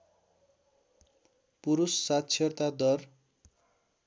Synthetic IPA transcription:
puɾusːat̪t͡sʰʌrt̪ad̪ʌr

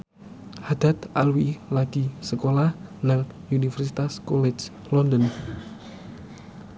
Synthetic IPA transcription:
had̪̥at̪̚alwilad̥isəkolahnaŋ | unifərsit̪askɔlet͡ʃ | lɔndən

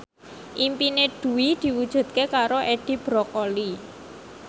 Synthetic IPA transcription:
ʔimpineɖ̥ṳwid̪̥i̤wud̥ʒ̥ṳd̪̥̚kekaɾoʔeɖ̥i̤b̥ɾɔkɔli

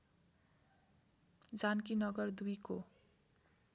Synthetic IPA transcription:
d͡zankinʌɡʌrd̪ujko

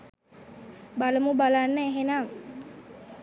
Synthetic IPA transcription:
baləmubalaneɦenam

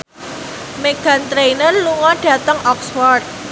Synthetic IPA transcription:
meɡ̥a̤nt̪ɾejnərluŋɔɖ̥ä̤t̪əŋʔɔkswɔrd̪̚

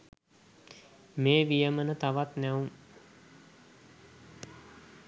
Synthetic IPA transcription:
meːʋijəmənət̪aʋat̪nɛuŋ

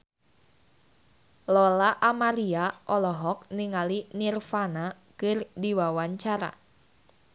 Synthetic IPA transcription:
lɔlaʔamaɾiaʔɔlɔɦɔk̚niŋalinirfana | kɨrdiwawaɲt͡ʃaɾa̰

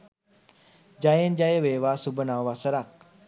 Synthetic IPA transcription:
d͡ʑajend͡ʑajeʋeʋasubənawʋasəɾak̚

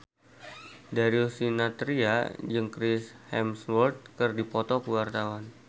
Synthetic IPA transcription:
daɾiusinat̪ɾiad͡ʒɨŋkɾɪshɛmswɔrt̪̚kərdipɔt̪ɔkəwart̪awan

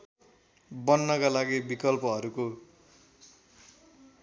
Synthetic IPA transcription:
bʌnːʌkalaɡibikʌlpʌɦʌɾuko

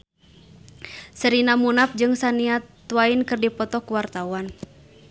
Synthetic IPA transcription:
səɾinamunap̚d͡ʒɨŋsaniat̪ːuwainkɨrdipɔt̪ɔkuwart̪awan

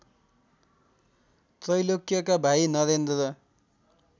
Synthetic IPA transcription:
t̪rʌjlokjʌkabʱainʌɾend̪ɾʌ

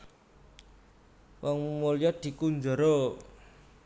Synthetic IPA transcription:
wɔŋmolijɔd̪̥i̤kuɲd͡ʒo̤ɾo

